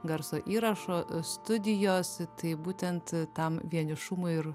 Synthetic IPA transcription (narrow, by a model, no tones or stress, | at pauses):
ɡɐɾsoːʔiːɾɐʃoːst̪ʊd̪ʲɪjoːst̪ɐɪbuːt̪ʲɛnt̪t̪ɐmʋʲiɛnʲɪʃʊmʊɪɪɾ